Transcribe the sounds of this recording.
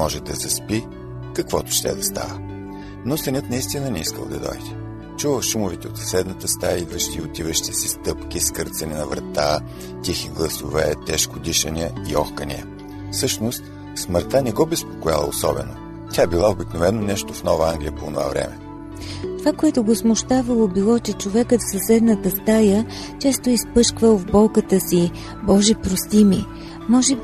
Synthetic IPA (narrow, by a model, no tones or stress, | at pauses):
mɔʒɛd̪ɐzɐspi | kɐkvɔt̪ʊ̥ʃt̪ɛ̰d̪ɐst̪a̰və | nosɛnʲət̪nɐist̪inənɛiskə̰lˠd̪ɐd̪ɔ̰jd̪ɛ̥ | t͡ʃuvəʃumʊvit̪ɛot̪ssɛd̪nət̪əst̪ajivɾəʃt̪iot̪ivəʃi̥t̪ɛsist̪ɤpk̟ʲiskɤɾt̪sɐninɐvɾɐt̪a | t̪ʲixiɡlˠɐsʊvɛt̪ɛʃkod̪iʃəniəiɔxkənḭə | fsɤʃnost̪ | sməɾt̪anɛɡɔbɛspo̥koja̰lˠə̰osɔ̰bɛ̰no | tʲaɛbilˠaobiknovɛnːonɛʃt̪ofnɔvəaŋɡlʲijəpoːnova̰vɾɛ̰mɛ | t̪ovakoɛt̪ʊɡosmʊʃt̪avəlˠobilˠɔt͡ʃɛt͡ʃovɛkət̪fsəsɛd̪nət̪əst̪ajə | t͡ʃɛst̪oispɤʃkvəlˠvbɔlˠkət̪əsi | bɔʒipɾost̪imi | mɔʒɛb